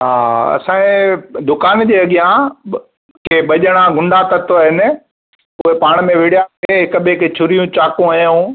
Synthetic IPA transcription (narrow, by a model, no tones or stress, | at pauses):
ɦaːɐ̰sãẽd̪ʊkaːnd͡ʑeːɐɠijã | kʰeːɓɐʄəɽ̃aɡʱʊ̃ɳɖat̪ɐt̪oəɦɪnɪ̆ | ʊɦepaːɽ̃mẽʋɪɽjaeɦɪkəɓekʰet͡ɕʰʊɾijũt͡ɕaːkũajõ